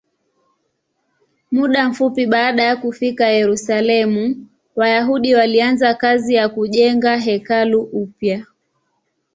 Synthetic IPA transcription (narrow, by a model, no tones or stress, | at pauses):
muɗam̩fupiɓaːɗajakufikajɛɾusalɛmu | wajaɦuɗiwalianzakazijakuʄɛŋɡaɦɛkaluʔupja